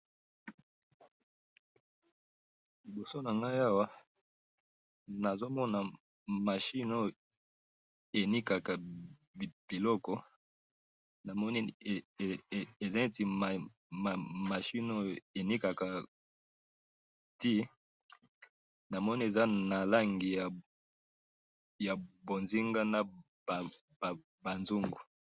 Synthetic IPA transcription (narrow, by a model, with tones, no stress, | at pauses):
li˨bo˨so˦na˨ŋɡa˦ja˦wa˦ | na˨zo˦mɔ˦na˨ | ma˨ʃi˦no˦ | e˨ni˦ka˨ka˨ | bb̥i˨lɔ˦kɔ˦ | na˨mɔ˦ni˦˨ | e˨za˦e˦ti˨ma˨ | a˨ma˨ʃi˦no˦e˨ni˦ka˨ka˨ | ti˦ | na˨mɔ˦ni˦e˨za˦na˨la˦ŋɡi˨ja˨ | ja˨bo˨nzi˦ŋɡa˦na˨ | b | ba˨nzu˦ŋɡu˨